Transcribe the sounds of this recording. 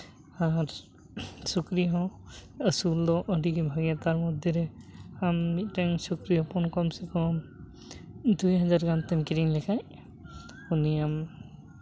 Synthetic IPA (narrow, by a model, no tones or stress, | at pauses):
aɾ | sukɾiɦɔ̃əsuld̪ɔʔɔɖikibʱaɡijat̪aɾmɔd̪ʱjɔɾɛamːit̪̚ʈɛŋsukɾiɦɔpɔnkɔmsɛkɔ | d̪ujɦazaɾɡant̪ɛmkiɾiŋlɛkʰaj | uniam